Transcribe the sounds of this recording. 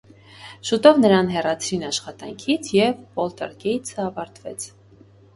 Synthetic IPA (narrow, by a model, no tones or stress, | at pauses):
ʃut̪ɔvnəɾɑnɦɛrɑt͡sʰɾinɑʃχɑt̪ɑŋkʰit͡sʰjɛvɔlt̪ɛ̰ɾɡɛjt͡sʰəɑvɑɾt̪vɛt͡sʰ